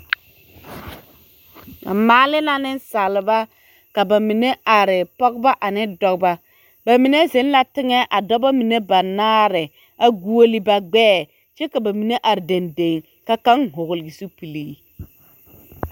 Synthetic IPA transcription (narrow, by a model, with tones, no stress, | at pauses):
a̰˨maː˨˦lɪ˦na˦nɪ˦nsa˨lɪ˨ba˦ | ka˨ba˨mi˨ne˦a˨ɾɪ˨pɔ˦ɡba˦ʔa˨nɪ˦dɔ˨kba˦ | ba˨mi˨ne˦zɪ˨˦n˦la˦tɪ˦ŋɛ˦ʔa˨dɔ˦ba˦mi˨ne˦ba˨naː˦ɾɪ˨ | a˨ɡu˦o˦li˦ba˦ɡ͡bɛː˦ | t͡ʃɛ˦ka˨ba˨mi˨ne˦ʔa˨ɾɪ˨de˨nde˨ŋ | ka˦ka˦ŋɦʊ˨ɣʊ˨lɪ˨ɡi˨su˦pi˨liː˦